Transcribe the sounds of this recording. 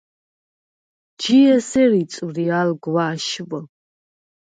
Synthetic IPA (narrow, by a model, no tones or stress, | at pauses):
d͡ʒiɛsɛɾit͡sʼwrialɡwaːʃvə